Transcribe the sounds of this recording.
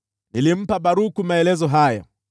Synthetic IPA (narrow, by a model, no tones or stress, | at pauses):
nilim̩paɓaɾukumaɛlɛzɔɦajɔ̰